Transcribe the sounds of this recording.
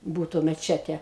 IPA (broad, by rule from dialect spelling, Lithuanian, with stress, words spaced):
ˈbuːtʊ mʲɛˈt͡ʃʲæːtʲɛ